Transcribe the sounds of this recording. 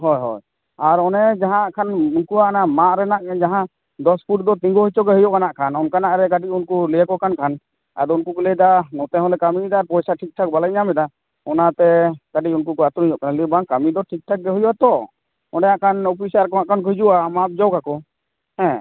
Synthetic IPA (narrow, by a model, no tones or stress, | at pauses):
ɦɔjɦɔ̰j | aɾɔnɛd͡ʒaɦãkʰanunkuaʔanamaʔɾɛnaʔd͡ʒaɦã | d̪ɔspʰuʈd̪ɔt̪ĩŋɡɔɦit͡ʃɔɡɛɦujɔʔkanaʔkʰanɔnkanaʔɾɛkaɖicunkulɛjakɔkankʰan | a̰d̪ɔunkukulɛd̪anɔt̪ɛ̃ɦɔ̃lɛkamid̪aɾpɔjsaʈʰik̚ʈʰak̚balaɲamɛd̪a | ɔnat̪ɛkaɖiunkukɔat̪uɾijɔʔkanalibaŋkamid̪ɔʈʰik̚ʈʰak̚ɡɛɦujwat̪ɔ | ɔ̃ɖɛjãʔkʰanɔpʰisaɾkɔaʔkank̬ɔɦid͡ʒuʔamap̚d͡ʒɔwkakɔ | hɛ̃